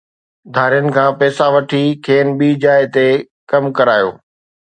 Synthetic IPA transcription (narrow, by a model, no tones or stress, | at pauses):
d̪ʱaːɾijənɪ̆kʰãːpɛːsaʋɐʈʰikʰeːnɓiːd͡ʑaːɪt̪e | kɐmkɐɾaːjo̰ː